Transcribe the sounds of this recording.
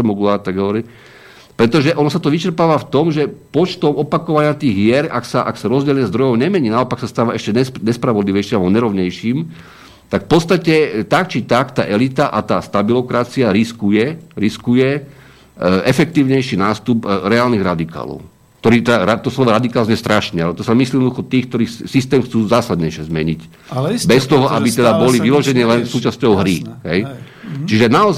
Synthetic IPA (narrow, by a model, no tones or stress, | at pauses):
mɔɡuat̪aɡɦɔʋɔɾi | pɾɛt̪ɔʒɛʔɔnɔsat̪ɔʋit͡ʃɛɾpaːʋaft̪ɔmʒɛpɔt͡ʃt̪ɔmɔpakɔʋaɲɪat̪iːɣɦɪɛɾaksaʔaksaɾɔzɟɛlɲɛzd̪ɾɔjɔʊɲɛmɛɲiːnaɔpaksast̪aːʋaɛʃcɛɲɛɲɛspɾaʋɔd̪liʋɛjʃimalbɔɲɛɾɔʊɲɛjʃiːm | t̪akfpɔt̪st̪acɛt̪ak̚t͡ʃit̪akt̪aːʔɛlit̪aʔat̪aːst̪abilɔkɾat͡siaɾiskujɛɾiskujɛ | ʔɛfɛk̚t̪iːʊɲɛjʃiːnaːst̪upɾɛaːlniɣɾad̪ika̰ːlɔ̰ʊ | k̚t̪ɔɾiːt̪ɛd̪aɾat̪ɔslɔʋɔɾad̪ikaːlzɛst̪ɾaʃɲɛalɛt̪ɔsamisljiɛd̪nɔd̪uxɔt̪iːxk̚t̪ɔɾiːxssist̪ɛːmxt͡suːzaːsad̪ɲɛjʃɛzmɛɲic | bɛst̪ɔɦɔʔabit̪ɛd̪abɔliʋilɔʒɛnɪɛlɛnsuːt͡ʃascɔʊɦɾiɦɛj | t͡ʃiʒɛnaɔz